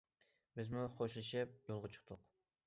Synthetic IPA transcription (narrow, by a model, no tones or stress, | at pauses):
bɪzmuχoʃlˠɨʃɪp̚jolˠʁɑt͡ʃʰə̥χt̪ʰʊq